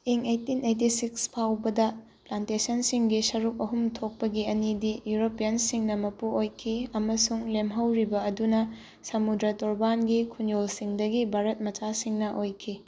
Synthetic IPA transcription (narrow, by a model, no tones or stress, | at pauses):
iŋejtinejtisikspʰawbɐdɐ | plantesɐnsiŋɡisɐɾuk̚ɐɦumtʰok̚pɐɡiɐnidijuɾopijɐnsiŋnɐmɐpuojkʰiɐmɐsuŋlemɦɐwɾibɐɐdunɐ | sɐmudɾɐtɔɾbanɡikʰunjolsiŋdɐɡibʱaɾɐt̚mɐt͡ʃasiŋnɐʔojkʰi